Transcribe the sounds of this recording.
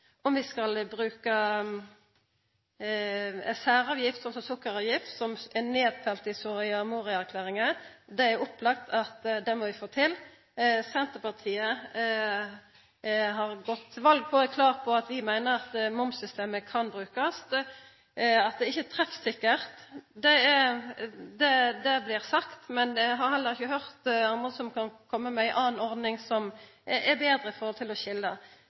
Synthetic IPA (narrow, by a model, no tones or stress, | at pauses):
ɔmʋɪskɑlbʁʉːkɑ | sæːʁɑːʋjɪft̪sɔnsɔmsʊkːəʁɑːʋjɪft̪sɔmɛneːd̪fɛlt̪ɪsɔʁɪɑmuːʁɪæʁkʰlæːʁɪŋəd̪ɛæɾʊplɑk̚t̪ʰɑt̪d̪ɛmɔʋɪfoːt̪ʰɪl | sɛnt̪əpɑʁt̪ʰiːə | ɦɑʁɡɔt̪ʰːʋɑlɡ̚pʰɔɛkʰlɑːʁpʰɔɑt̪ʋɪmæɪnəʁɑt̪mʊmsʏst̪eːməkʰɑnbʁʉːkɑst̪ | ɑt̪̚d̪ɛɪçːət̪ʰɾɛfsɪkːəʁt̪d̪ɛ | d̪ɛd̪ɛblɪʁsɑkt̪mɛnɛɦɑʁhɛlːəʁɪçəɦœʁt̪ɑnd̪ʁəsɔmkʰɑnkʰɔmːəmɛɪʔɑːnɔʁd̪nɪŋsɔm | ɛʁbeːd̪ʁəɪfɔɾhɔlt̪ʰɪlɔçɪlːə